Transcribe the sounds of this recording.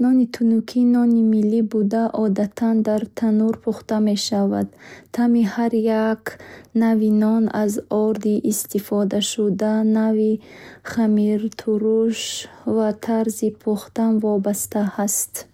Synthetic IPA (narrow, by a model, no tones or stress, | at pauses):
nɔnit̪ʰunukʰinɔnimilːibud̪aʔɔd̪at̪ʰand̪aɾt̪ʰanuɾpʰuχt̪ame̞ʃava̰d̪̥t̪ʰamihaɾjaknavinɔnazɔɾd̪iʔːst̪ifɔd̪aʃud̪anaviχamiɾt̪ʰuɾuʃvat̪ʰaɾzipʰuχt̪anvɔbast̪ahast̪